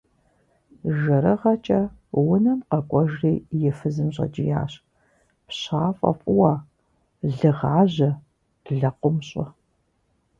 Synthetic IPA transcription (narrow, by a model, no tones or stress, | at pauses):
ʒɐɾɐʁɐt͡ʃʼɐ | wʊnɐmqɐkʷʼɔʒreːjɛfɨzɨmɕʼɐ̰d͡ʒʼɪja̰ːɕ | pɕaːfʼɐ̰fʷʼʊwaː | ɮɨʁaːʑɐ̥ | ɮɐqʷʊmɕʼɐ